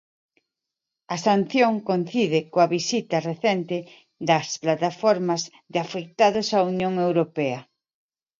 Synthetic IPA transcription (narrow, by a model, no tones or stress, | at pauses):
ɐsan̟θjoŋkon̟θiðɪkoɐβisit̪ɐreθɛnt̪ɪ | ðɐsplat̪afɔɾmɐz | ðafek̚t̪aðʊsaunjoŋewɾopɛɐ